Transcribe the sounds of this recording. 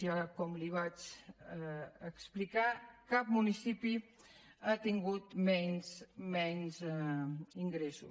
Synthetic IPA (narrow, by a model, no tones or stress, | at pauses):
iakɔmliβat͡ʃ | əksplikakap̚munisipi | at̪iŋɡut̪mɛnzmɛnz | iŋɡɾesṵ